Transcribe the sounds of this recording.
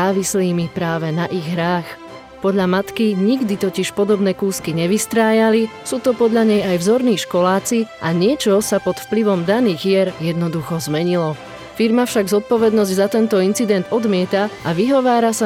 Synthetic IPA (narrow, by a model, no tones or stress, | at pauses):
aːʋisliːmipɾaːʋɛnaʔiɣɦɾaːx | pɔd̪ʎamat̪kiɲiɡd̪it̪ɔciʃpɔd̪ɔbnɛːkuːskiɲɛʋist̪ɾaːjalisuːt̪ɔpɔd̪ʎaɲɛjajvzɔɾniːʃkɔlaːt͡siʔaɲɪɛt͡ʃɔsapɔt̪fpliʋɔmd̪aniːɣjɛɾjɛd̪nɔd̪uxɔzmɛɲilɔ | fiɾmafʃaɡzɔt̪̚pɔʋɛd̪nɔzɟzat̪ɛnt̪ɔint͡sid̪ɛnd̪ɔd̪mɪɛt̪aʔaʋiɦɔʋaːɾasa